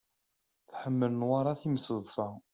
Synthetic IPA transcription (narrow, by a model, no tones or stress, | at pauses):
θħəmːələnwaɾˤɑθiməsəðˤsɑ